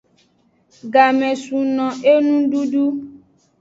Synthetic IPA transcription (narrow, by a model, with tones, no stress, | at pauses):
ɡa˨mɛ̃˨su˨nɔ̃˨ʔe˦nũ˦ɖu˦ɖu˦